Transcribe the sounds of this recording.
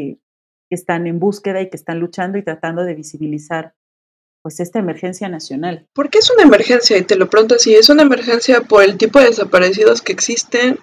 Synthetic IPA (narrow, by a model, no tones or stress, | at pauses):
kest̪ane̞mbuske̞ðaikest̪anlut͡ʃand̪o̞it̪ɾat̪and̪o̞ðe̞βisiβilisaɾ | pwe̞se̞st̪aeme̞ɾxe̞nsjanasjo̞nalpo̞ɾkeesunaeme̞ɾxe̞nsjait̪e̞lo̞pɾeount̪oasie̞sunaeme̞ɾxe̞nsjapo̞ɾe̞lt̪ipo̞ðeðesapaɾe̞s̬ið̞o̞ske̞ːksist̪e̞n